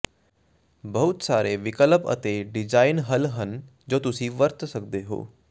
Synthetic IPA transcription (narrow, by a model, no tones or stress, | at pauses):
bɐɦʊt̪saːɾeʋɪkələpə̰t̪eɖɪd͡ʒaːɪnɦəlɦən | d͡ʒoːt̪ʊsĩʋəɾt̪sək̚d̪eɦo̰ː